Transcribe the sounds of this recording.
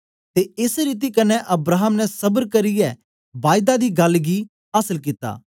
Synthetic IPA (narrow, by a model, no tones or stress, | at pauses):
t̪eɪsɾiːt̪̬ikɐnɛʔɐbɾaːɦəmnɛsɐbəɾkɐɾɪjɛ | baːɪd̪ad̪iːɡɐlɡi | asəlkit̪a̰ː